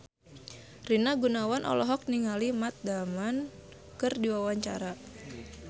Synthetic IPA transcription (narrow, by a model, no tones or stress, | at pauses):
rinaɡunawanʔɔ̰lɔɦɔk̚niŋalimat̪̚daman | kɨrdiwawaɲt͡ʃa̰ɾa